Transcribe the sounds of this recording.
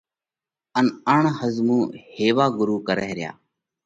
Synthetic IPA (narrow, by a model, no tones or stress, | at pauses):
ənəɳhəzmũːheːʋaːɡʊɾuːkəɾəɦɾɪja̰ː